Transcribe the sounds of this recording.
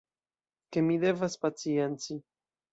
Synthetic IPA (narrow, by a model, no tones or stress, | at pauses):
ke̞mide̞vaspat͡sie̞nt͡si